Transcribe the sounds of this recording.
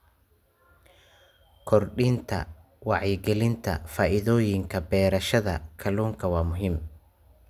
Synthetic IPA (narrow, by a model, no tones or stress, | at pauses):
kʰɔrɖiːnt̪ʰɐ̰ | wɑʕjɡɛlɪnt̪ʰɐ̰faːʔɪðɔːjɪŋkʰɐbɛːɾɐʃɐðɐkʰɐluːŋkʰɐwɑːmʊɦiːm